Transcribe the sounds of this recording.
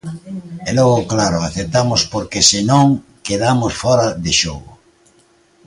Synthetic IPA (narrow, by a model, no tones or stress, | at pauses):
ɛlɔɣoklaɾʊaθet̪amospoɾkesɪnõŋ | keðamosfɔɾaðeʃoɣʊ̰